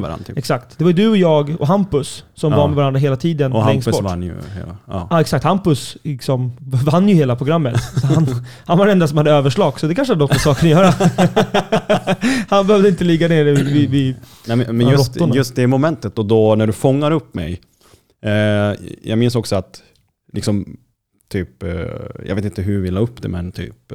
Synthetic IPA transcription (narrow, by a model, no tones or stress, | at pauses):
vaɾa̰ɛksak̚t̪d̪ɛvaɾjʏd̪ɵɔjɑːɡɔ̰ɦampɵsːɔmvaɾmɛvaɾand̪ɾaɦeːlat̪ʰiːd̪ənlɛŋsbɔanːj̰hḛlːɑːɛksak̚t̪hampɵslɪksɔmvanːjɵheːlapʰɾʊɡɾamːət̪sɔɦan | hanvaɾɛnd̪asɔmhad̪ːəøːvəʂɭɑːɡsɔd̪ɛkʰanʂ̬əanɔt̪ɔsɑːkəɾajœːɾa | hanbɛhøːvd̪əɪnt̪əlɪɡːaneːɾvɪvɪɛmmɛnjɵɾɔt̪ːʊnjɵst̪̚d̪ɛmɔmɛnt̪ət̪ɔd̪ɔnæɖɵfɔŋːaɾɵpːmɛ̰j | jʔɑ̰ɡmɪnsɔksɔat̪ | lʔɪksɔm | t̪ʰyːpjɑ̰ɡveːt̪ɪnt̪əɦʉvɪlːaɵpːd̪ɛ̰mɛnt̪ʰy̰ːp̚